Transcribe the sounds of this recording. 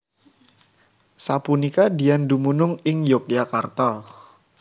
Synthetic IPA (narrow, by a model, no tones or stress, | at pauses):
sapunikadiandumunʊŋɪŋjok̚iakart̪ɔ